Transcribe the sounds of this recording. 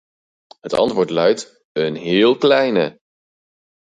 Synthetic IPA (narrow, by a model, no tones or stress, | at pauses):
ɦətɑ̰ntʋʊːɹtlœɥt | ənɦɪːlˠklɛjnə̰